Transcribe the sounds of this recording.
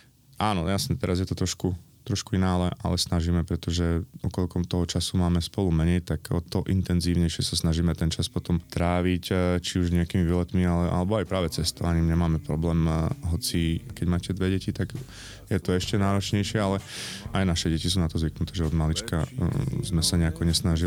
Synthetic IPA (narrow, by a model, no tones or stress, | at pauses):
aːnɔjasɲɛt̪ɛɾazjɛt̪ɔt̪ɾɔʃkut̪ɾɔʃkuinaːlɛʔa̰lɛsnaʒiːmɛpɾɛt̪ɔʒɛɔkɔlkɔmt̪ɔɦɔt͡ʃasumaːmɛspɔlumɛɲɛjt̪akt̪ɔʔint̪ɛnziːʊɲɛjʃɪɛsasnaʒiːmɛt̪ɛnt͡ʃaspɔt̪ɔmt̪ɾaːʋict͡ʃiuʒɲɛakiːmiʋilɛt̪mialɛʔa̰lɛbɔajpɾaːʋɛt͡sɛst̪ɔʋaɲiːmɲɛmaːmɛpɾɔblɛːmɦɔt͡sikɛɟmaːcɛd̪ʋɛɟɛcit̪aɡ | jɛt̪ɔɛʃcɛnaːɾɔt͡ʃɲɛjʃɪɛalɛajnaʃɛɟɛcisuːnat̪ɔzʋiknut̪ʰɛːʒɛɔd̪malit͡ʃkazmɛsaɲɛakɔɲɛsnaʒi